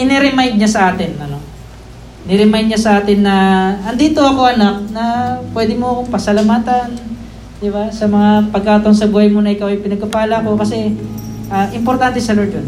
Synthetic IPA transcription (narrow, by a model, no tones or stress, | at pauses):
ʔɪnɛɾɪmajd̪̚ɲasɐʔaːt̪ɪnɐno | nɪɾɪmajd̪ɲasɐʔaːt̪ɪnːɐʔɐnd̪iːt̪o̞ɐko̞ʔɐnak̚nɐpwɛd̪ɪmoɐko̞ŋpɐsɐlɐmaːt̪ɐn | d̪̥ɪbasɐmɐŋapɐɡ̚kaːt̪oŋsɐbuːhɐjmonɐʔɪkawɐjpɪnɐɡ̚kɐpaːlɐɐko̞kɐsɛʔaːʔɪmpoɾt̪ant̪ɛsɐlod͡ʒon